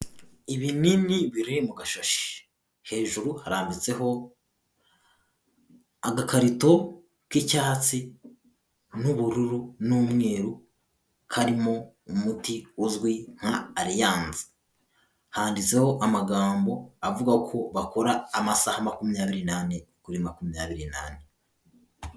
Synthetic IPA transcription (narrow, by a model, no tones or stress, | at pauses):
iβininiβiɾimuɡaʃoʃi̥ | he̞ːʒuɾuhaɾaːmbit͡se̞ɦo̞ | aɡakaɾito̞ | kicaːt͡si | nuβuɾuɾunumŋe̞ːɾu | kʰaɾimo̞ | umutiuzɡwiŋ̥haːɾijaːnzḁ | haːndit͡se̞ho̞ʔamaɡaːmbo̞avuɡahkʰo̞βako̞ɾaːmasahamakumijaːβiɾinanekuɾimakumiɲaːβiɾina̰ːne